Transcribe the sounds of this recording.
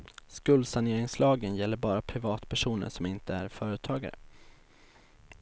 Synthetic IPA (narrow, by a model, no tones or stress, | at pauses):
skɵld̪saneːɾɪŋslɑːɡənjɛlːəɾbɑːɾapʰɾɪvɑːt̪pʰæʂuːnə̰ʂɔmɪnt̪əæɾfœːɾət̪ʰɑːɡa̰ɾə̰